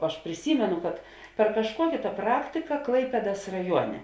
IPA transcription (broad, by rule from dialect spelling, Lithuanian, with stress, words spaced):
ɐʃ pʲrʲɪˈsʲiːmʲɛnʊ kɐt pʲɛr kɐʃˈkuɔkʲeː tɑː ˈprɑːktʲɪkɐ ˈklˠɐɪpʲeːdɐs rɐˈjuɔnʲɛ